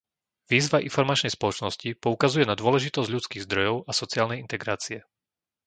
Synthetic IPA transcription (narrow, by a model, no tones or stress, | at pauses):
ʋiːzʋaʔḭnfɔɾmat͡ʃnɛjspɔlɔt͡ʃnɔscipɔukazujɛnad̪ʊɔlɛʒit̪ɔzɟʎut͡skiːɣzd̪ɾɔjɔʊʔasɔt͡siaːlnɛjint̪ɛɡɾaːt͡siɛ